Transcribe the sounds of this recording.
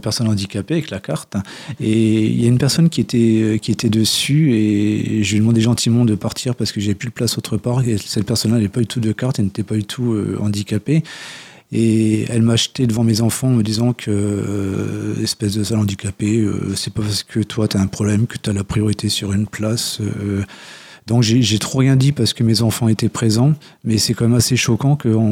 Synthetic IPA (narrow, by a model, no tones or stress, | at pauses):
pɛʁsɔnɑ̃d̪ikapeavɛklakaʁt̪ | eḭljaynpɛʁsɔnkʲiet̪ɛøkʲiet̪ɛd̪əsyeʒəlid̪əmɑ̃d̪eʒɑ̃t̪ʰimɑ̃d̪əpaʁt̪ʰiʁpaʁsə̥kəʒavɛpyləplasot̪χəpaʁesɛt̪̚pɛʁsɔnlaɛlɛpad̪yt̪ud̪əkaʁt̪ɛlnet̪ɛpad̪yt̪ʰuø̰ɑ̃d̪ikape | eɛlmaːʃt̪ed̪əvɑ̃mezɑ̃fɑ̃ːməd̪izɑ̃kʰə | ɛspɛsd̪əsalɑ̃d̪ikapeø̰sɛpapaʁsə̥kʰət̪ʰwat̪yaɛ̃pχɔblɛmkə̥t̪yalapχijɔʁit̪ʰesyʁynplasø | d̪ɔ̃kʒeʒet̪χoʁjɛ̃d̪ipaʁsə̥kəmezɑ̃fɑ̃et̪ɛpχezɑ̃ | mɛsɛkɑ̃mɛmaseʃɔkɑ̃kəɑ̃